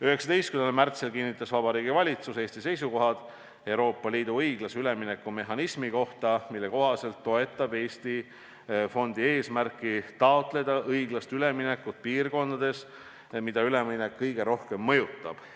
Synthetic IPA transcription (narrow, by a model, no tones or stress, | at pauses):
yheksɑ̥d̪e̞jst̪̚kynelmært̪selkinːit̪ːˑɑsvɑb̥ɑɾiːɡ̥ivɑlʲit̪suse̞ːst̪ise̞jsuko̞ɦɑd̪̥ | e̞wɾo̞ːpːɑliːd̪̥uɤjɡ̥lɑsyle̞minekːˑume̞ɦɑnismiko̞ht̪ɑmilːe̞ko̞ɦɑse̞lt̪ːo̞e̞t̪ːˑɑbe̞ːst̪i | fo̞nd̪̥ie̞ːsmærkːˑit̪ɑot̪le̞d̪̥ɑʔɤjɡ̥lɑst̪yle̞mine̞kːˑut̪̚piːrko̞nd̪̥ɑd̪̥e̞s | mid̪̥ɑyle̞minekːɤjɡ̥e̞ɾo̞hke̞mːɤjut̪ːˑɑ̰b̥